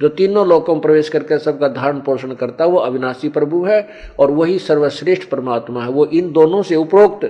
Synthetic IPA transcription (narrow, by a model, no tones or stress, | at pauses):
d͡ʒoːt̪iːnõlɔːkõpɾɐʋeːʃkɐɾkesɐb̚kad̪ʱaːɾəɳpoːʃəɳkɐɾt̪aɦɛʋoɐʋɪnaːsipɾɐbʱuɦɛ | ɔːɾʋɐɦisɐɾʋəʃɾɪːʃʈʰpɾɐmaːt̪maɦɛʋoʔɪnd̪oːnõseʊpɾoːk̚t̪